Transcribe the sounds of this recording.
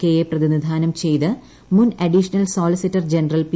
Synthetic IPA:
kːejeprɐðinid̪ʱaːnɐmt͡ɕe̞jt̪ɨ | munɐɖiʂɐnɐlsoːlisitːɐrd͡ʑenɐrɐlp

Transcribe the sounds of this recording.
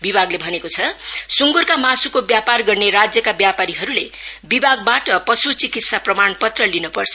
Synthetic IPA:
bibʱaɡlebʱʌnekot͡sʰʌsuŋɡurkamasukobjaparɡʌrneɾad͡zjʌkabjapaɾiɦʌɾulebibaɡ̚baʈʌpʌsut͡sikit̪saprʌmanpʌt̪rʌlinopʌrt͡sʰʌ̥

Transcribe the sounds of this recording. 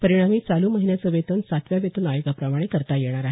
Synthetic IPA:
pəɾiɽ̃amiːt͡saluːməɦinjat͡səʋet̪ənsat̪ʰʋjaʋet̪unajoɡapɾəmaɽ̃ekəɾt̪ajeɽ̃aɾaɦe

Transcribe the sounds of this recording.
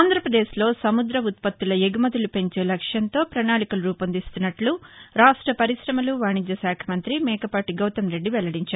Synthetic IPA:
aːnd̪ʱɾɐpɾɐd̪eːʃlo̞ːsɐmud̪ɾɐut̪̚pɐt̪ːulɐjeɡumɐd̪ilupe̞ɲt͡ʃe̞ːlɐkʂjɐnt̪o̞ːpɾɐnaːɭikulɐɾuːpɐnd̪ist̪unːɐʈluɾaːʂʈɾɐpɐɾisɾɐmɐluʋaːɳid̪jɐʃaːkʰɐmɐnt̪ɾimɛːkɐpaːʈiɡɐwt̪ɐmɾe̞ɖːiʋɛlɐɽiɲt͡ʃaːɾu

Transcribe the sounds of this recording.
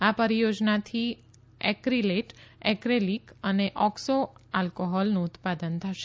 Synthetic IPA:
apəɾijod͡ʒnat̪ʰi | ɛkɾileʈɛkɾelikəneʔɔksoalkoɦɔlnũːt̪pad̪ənt̪ʰəʃe

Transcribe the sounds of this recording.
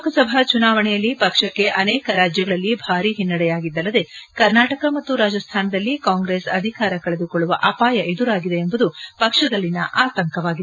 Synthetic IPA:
kɐsɐbʱɐt͡ʃunaːʋɐɳɛjɐlːipɐkʂɐkːe̞ʔɐnɛːkɐɾaːd͡ʒjɐɡɐɭɐlːibʱaːɾiɦinːɐɽɛjaːɡid̪ːɐlːɐd̪e̞kɐɾnaːʈɐkɐmɐt̪ːuɾaːd͡ʒɐst̪ʰaːnɐd̪ɐlːikaːŋɡɾeːsɐ̰d̪ʱikaːɾɐkɐɭe̞d̪ukoɭːuʋɐ̰ʔɐpaːjɐʔe̞d̪uɾaːɡid̪e̞ːmbud̪upɐkʂɐd̪ɐlːinːɐʔaːt̪ɐŋkɐʋaːɡie

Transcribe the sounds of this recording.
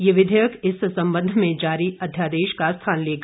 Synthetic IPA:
jeʋɪd̪ʱəjəkɪssɐ̃mbə̃nd̪ʱmẽd͡ʒaːɾiʔɐd̪ʱjaːd̪eːʃkast̪ʰaːnleːɡ

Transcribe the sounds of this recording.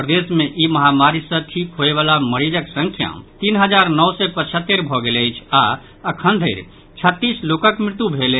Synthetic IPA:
ɾd̪esmẽʔiməɦamaɾisə̃ʈʰikɦoeʋaːlaməɾid͡ʒəksə̃ŋkʰja̰mt̪inɦəd͡ʒaːɾnɔwsɛpət͡ʃʰət̪ːeɾbʱɔɡelejt͡ʃʰa | əkʰə̃nd̪ʱeɾ | t͡ʃʰət̪ːiːslokəkmɪɾt̪ubʱele

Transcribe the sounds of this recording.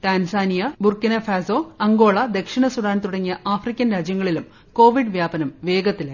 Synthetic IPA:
t̪aːnsaːnijɐburkinɐfaːsoːɐŋɡo̞ːɭɐd̪e̞kʂiɳɐsuɽaːnt̪uɽɐŋːijɐʔaːfrikʲːɐnɾaːd͡ʑjɐŋːɐɭilum | ko̞ːʋiɖɨʋjaːbɐnɐmʋe̞ːɡɐt̪ːile

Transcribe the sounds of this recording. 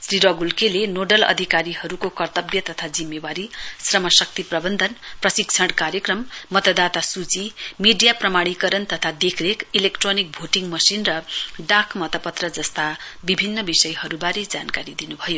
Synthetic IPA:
sriɾʌɡulkelenoɖʌlʌ̰d̪ʱikaɾihʌɾukokʌrt̪ʌbjʌt̪ʌt̪ʰad͡zimːebaɾisrʌmʌsʌk̚t̪iprʌbʌnd̪ʱʌnprʌsik̚t͡sʰʌɽkaɾjʌkrʌmːʌt̪ʌd̪at̪asut͡simiɖijaprʌmaɽikʌɾʌnt̪ʌt̪ʰad̪ekʰɾekilekʈronik̚bʱoʈiŋmʌsinrʌɖakʰmʌt̪ʌpʌt̪rʌd͡zʌst̪abibʱinːʌbisʌjhʌɾubaɾed͡zankaɾid̪inubʱʌjo

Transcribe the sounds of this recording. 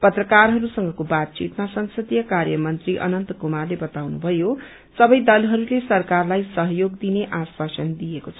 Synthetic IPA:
pʌt̪rʌkarɦʌɾusʌŋɡʌkobat̪̚t͡sit̪masʌŋsʌd̪ijʌkarjʌmʌnt̪riʔʌ̰nʌnt̪ʌkomarlebʌt̪awnubʱʌjo | sʌbʌjd̪ʌlɦʌɾulesʌrkarlajsʌɦjoɡd̪ineʔaspasʌnd̪ijekot͡sʰʌ

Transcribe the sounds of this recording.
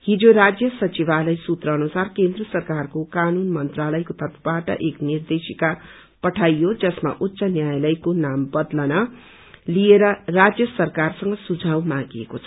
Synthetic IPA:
hid͡zoɾad͡zjʌsʌt͡sibalʌjsut̪rʌːnusarkend̪rʌsʌrkarkokanunmʌnt̪ralʌjkot̪ʰʌt̪ʰbaʈʌ̰ʔeknird̪esika | pʌʈʰajjod͡zʌsma̰ʔutːsʌnjajlʌjkonambʌd̪lʌnʌ | lijeɾʌrad͡zjʌsʌrkarsʌŋɡʌsud͡zʱawmãɡiekot͡sʰʌ̥

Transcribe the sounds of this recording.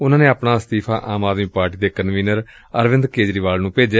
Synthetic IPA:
ʊnãːnẽːaːpɳaːst̪iːpʰa̰ːʔaːmaːd̪miːpaːɾʈiːd̪eːkənʋiːnəɾ | əɾʋɪnd̪keːd͡ʒɾiːʋaːlnũːpeːd͡ʒaː

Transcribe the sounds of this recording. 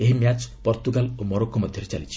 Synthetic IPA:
eɦimjat͡ʃpɔɾt̪uɡalomɔɾokːɔmɔd̪ʱjɔɾet͡ʃalit͡ʃʰi̥

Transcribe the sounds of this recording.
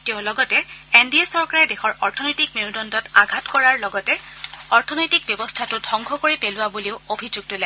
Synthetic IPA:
teʊ̃lɔɡɔtɛendiesɔɹkaɹɛdexɔɹɔɹtʰɔnɔjtik̚miɹudɔndɔtaɡʱatkɔɹaɹlɔɡɔtɛɔɹtʰɔnɔjtik̚bjɔbɔstʰatʊdʱɔ̃ŋɡʱɔkoɹipelʊwabuliʊobʱid͡ʒuɡ̚tʊlɛ

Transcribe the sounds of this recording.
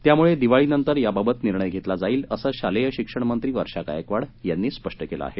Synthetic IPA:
t̪jamuɭed̪iʋaɭiːnənt̪əɾjababət̪niɾɳəjɡʱet̪lad͡zaiːləsaɕalejəɕikʂəɳ̃mənt̪ɾiːʋəɾʂaka̰jəkʋaɽjanːiːspəʂʈəkela̰ːɦe

